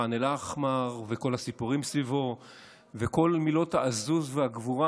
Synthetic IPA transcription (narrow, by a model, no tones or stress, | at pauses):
anelaχmaʁveko̞lhasipuʁimsvivo̞ | veko̞lmilo̞thaʔazuzvehaɡvuʁa